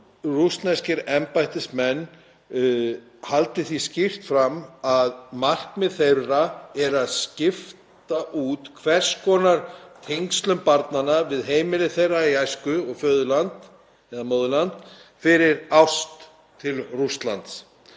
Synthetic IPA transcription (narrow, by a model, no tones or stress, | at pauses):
rust̪nascɪɾɛmpajht̪ɪsmɛnː | halt̪ɪθiscɪr̥t̪fɾamaðmar̥kmɪðθejrːaɛɾaðscɪft̪aʔuːt̪kʰvɛr̥skʰɔːnaɾ̥t̪ʰeŋkst̪lʏmpaɾt̪nanːavɪðɦeːjmɪlɪθejrːaiajskʏɔɣfœːðʏlant̪ | hɛðamoːðʏlant̪fɪɾɪɾawst̪ʰː | ɪlrust̪la̰nt̪s